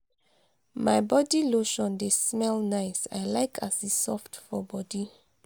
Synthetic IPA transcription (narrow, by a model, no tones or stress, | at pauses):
majbɔdiloʃɔ̃ndesmɛlnaɪsa̰jlaɪkʰasisɔftfɔbɔdi